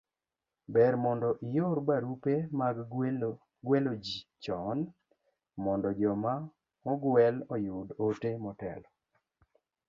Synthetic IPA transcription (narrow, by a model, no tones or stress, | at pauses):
bɛɾmɔndɔʔɪjoɾbaɾupemaɡ | ɡwelod͡ʒit͡ʃɔn | mɔndɔd͡ʒɔma | mɔɡwɛlɔjudotemɔtɛ̰lɔ